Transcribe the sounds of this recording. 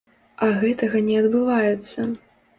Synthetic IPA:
ɐɣɛt̪ɐɣɐnʲɛɐd̪bɨvajɛt̪sːɐ

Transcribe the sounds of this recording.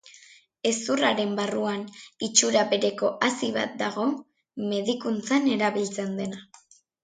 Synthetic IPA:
e̞suraɾe̞mbaruanit͡ʃuɾaβe̞ɾe̞ko̞ʔasiβa̰t̪̚d̪aɣo̞ | me̞ðikunt͡sane̞ɾaβilt͡se̞nd̪e̞na

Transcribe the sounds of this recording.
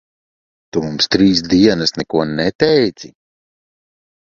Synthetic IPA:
t̪umumst̪ɾiːs̬d̪iɛnɐsnɛkuɔnɛt̪ɛjt̪si

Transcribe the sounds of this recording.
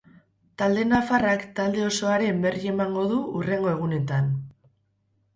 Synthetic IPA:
t̪ald̪e̞nafarakt̪ald̪e̞o̞so̞aɾe̞mbe̞rie̞maŋɡo̞ðuure̞ŋɡo̞e̞ɣ̞une̞t̪an

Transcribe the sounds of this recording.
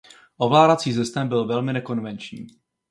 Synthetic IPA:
ʔo̞vlaːdat͡siːsɛst̪ɛmbɪlvɛlmɪnɛko̞nvɛnt͡ʃɲḭː

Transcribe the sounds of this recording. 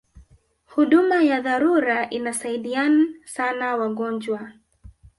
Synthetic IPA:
huɗumajaðaɾuɾaʔinasaiɗianasanawaɠɔnd͡ʒwa

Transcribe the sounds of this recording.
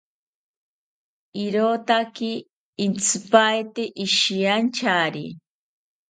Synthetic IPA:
iɾoːt̪akiː | nt͡sʰɨpajt̪eʔiʃiant͡ʃʰaɾi

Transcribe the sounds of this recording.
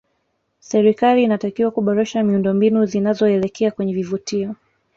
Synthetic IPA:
sɛɾikaliːnatakiwakuɓɔɾɛʃamiundɔmbinuzinazɔɛlɛkʰɛakwɛɲɛvivutiɔ

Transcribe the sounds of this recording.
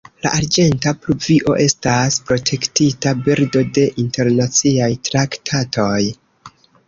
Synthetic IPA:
la̰ʔaɾd͡ʒe̞ntapluviʔo̞̰ʔe̞staspɾo̞tʰe̞ktitabiɾdo̞de̞ʔinte̞ɾnat͡siajtɾaktʰatʰo̞j

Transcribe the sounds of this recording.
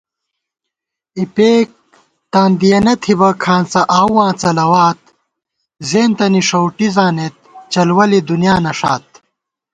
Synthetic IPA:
ipeːk̚ | t̪aːnd̪ijɐnɐt̪ʰibɐkʰãːnt͡sɐʔaːwwãːt͡sɐlɐwaːt̪̚ | zeːnt̪ɐniʂɐwʈizaːnet̪̚t͡ɕɐlwɐlid̪unijaːnɐʂa̰ːt̪̚

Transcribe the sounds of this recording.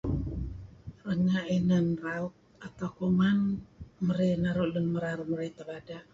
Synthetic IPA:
ɾəŋaʔinanraut̪̚at̪akomanməɾenaɾoʔlənməɾaɾuməɾajt̪aβada

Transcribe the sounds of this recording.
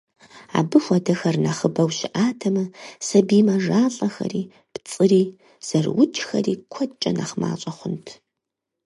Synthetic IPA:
a̰ːbɨfʷɔdɐxɐrnɐχəbɐwʃɪʔaːtʰɐmɐsɐbiːmɐʐaːɬʼɐxɐ̰ɾiː | pt͡sʼɨriː | z̥ɐrwʊd͡ʒxɐ̰riːkʷʰɔt͡ʃʼɐ̰na̰χma̰ːɕʼɐχʷʊntʰ

